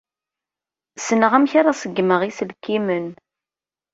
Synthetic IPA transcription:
sənəʁæmçaɾˤasəɡːməʁisəlkːimən

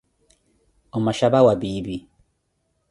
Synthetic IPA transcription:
omaʃabawabibi

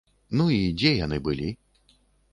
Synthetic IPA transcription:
nuid͡zʲɛjanɨbɨlʲi

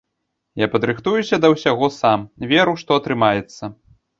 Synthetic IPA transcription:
japɐd̪ɾɨxt̪ujusʲɐd̪ɐwsʲaɣɔsamvʲɛɾuʂt̪ɔɐt̪ɾɨmajɛt̪sːɐ

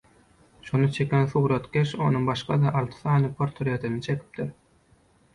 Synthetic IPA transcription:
ʃonɯt͡ʃʰe̞kʲʰenθuːɾɑt̪ɡʲeʃo̞̰nuŋbɑʃqʰɑ̰d̪ɑʔɑlˠt̪ʰɯ̥θɑːnɯpʰoɾt̪ʰoɾet̪ʰinit͡ʃʰe̞kʲʰi̥p̚t̪iɾ

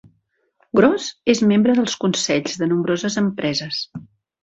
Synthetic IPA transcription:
ɡɾɔzezmembɾəðəlˠskunsɛʎzðənumbɾozəzəmpɾɛzəs

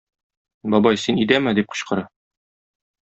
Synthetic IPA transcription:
bɒbɑjsinid̪æmɘd̪ip̚qɤ̥̆ɕqɤ̆ɾɑ

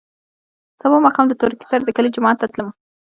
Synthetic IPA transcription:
z̥amomɑkɑmd̪ət̪oɾiki̥saɾad̪əkəlid͡ʒʊmɑat̪ːat̪ləma

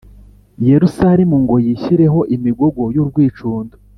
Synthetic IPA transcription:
jeɾusaɾimuŋɡo̞jiçiɾe̞ɦo̞ʔimiɡoɡo̞juɾɡwiːt͡ʃuːndo

